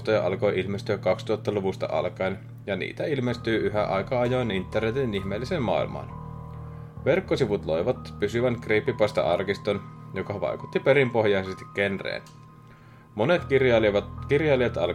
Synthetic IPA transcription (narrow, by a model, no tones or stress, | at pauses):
t̪ojɑʔɑlko̞jʔilmest̪yækɑkst̪uɑt̪ːɑluʋust̪ɑ̰ʔɑ̰lkɑjn | jɑnḭːt̪æilmest̪yːyɦæ̰ʔɑjkɑɑjojnint̪ːernet̪inihmeːlːiseːmmːɑ̰ḭlmɑ̰ːn | ʋerkːosiʋut̪lo̞jʋɑt̪pysyʋæŋkreːpːipɑst̪ɑ̰ʔɑrkist̪onjokɑʋɑ̰jku̥t̪ːipeɾimpo̞ɦjɑjsest̪i̥kke̞nrḛːn | mo̞ne̞t̪kɑkirjɑliet̪ɑl